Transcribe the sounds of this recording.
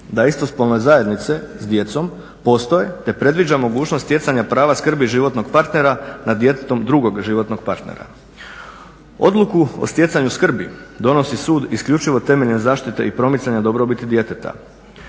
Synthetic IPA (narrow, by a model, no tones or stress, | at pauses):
d̪aist̪o̞spolnozaje̞d̪nit̪se̞zd̪je̞t̪so̞m | po̞st̪o̞jet̪e̞pɾe̞d̪ʋid͡ʑamo̞ɡuːt͡ʃnost̪je̞t̪saɲapɾaːʋaskr̩biʒiʋo̞t̪no̞ɡpaɾt̪ne̞ɾanad̪jet̪et̪o̞md̪ɾuɡo̞ɡʒiʋo̞t̪noɡ̚paɾt̪nḛɾa̰ | o̞̰d̪lukuo̰st̪je̞t̪saɲuskr̩bid̪o̞no̞sisuːd̪iskʎut͡ʃiʋo̞t̪e̞me̞ʎnezaːʃt̪it̪e̞ipɾo̞mit̪saɲad̪o̞bɾobit̪id̪je̞t̪et̪a̰